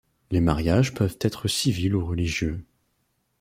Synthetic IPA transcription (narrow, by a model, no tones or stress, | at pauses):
lemaʁjaʒpœvt̪ɛt̪χəsiviluʁəliʒjø